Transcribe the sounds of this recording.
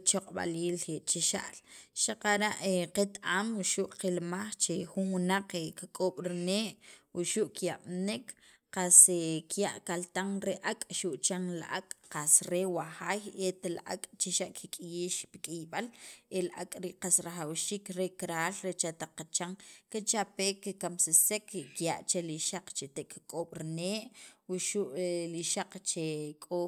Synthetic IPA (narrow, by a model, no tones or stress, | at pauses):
t͡ʃoqʼɓa̰liːljeʔt͡ʃiʃa̰ʔlʃaqaɾaʔeqet̪amwuʃuʔqilmaχt͡ʃexunwunaq͡χekakʼoːɓ̥ɾineːʔwuʃuʔkjaɓ̥nik | qasekjaʔkalt̪aŋɾeʔakʼʃuʔt͡ʃaŋlaʔakʼqasɾewaχaːjet̪alaʔa̰kʼt͡ʃiʃaʔkʰikʼijiːʃpi̥kʼijɓalʔelaʔa̰kʼɾiʔqasɾaχawʃiːkɾekɾaːlɾet͡ʃat̪aq͡χːat͡ʃaŋkit͡ʃapekikamsesekkjaʔt͡ʃeliʃaq͡χt͡ʃet̪eʔkkʼoːɓ̥ɾneːʔwuʃuʔliʃaq͡χt͡ʃekʼo